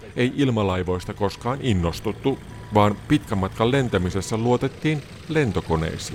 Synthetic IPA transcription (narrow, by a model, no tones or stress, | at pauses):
e̞jʔilmɑlɑjʋo̞jst̪ɑko̞skɑːninːo̞st̪ut̪ːu | ʋɑːnpit̪kæmːɑt̪kɑlle̞nt̪æmise̞sːæluo̞t̪e̞t̪ːiːn | le̞nt̪o̞ko̞ne̞̰jsḭː